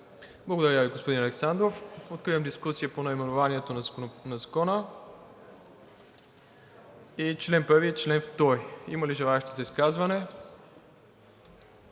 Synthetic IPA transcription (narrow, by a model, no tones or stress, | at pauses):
blˠɐɡod̪ɐɾʲaviɡospod̪inɐlɛksand̪ɾofot̪̚kɾivəmd̪iskusijəponɐimɛnʊvaniɛt̪onɐnɐzɐkɔnə | it͡ʃlɛnpəɾviɛt͡ʃlɛnft̪ɔjḭməliʒɛlˠaɛʃt̪ʲizɐiskazvɐnɛ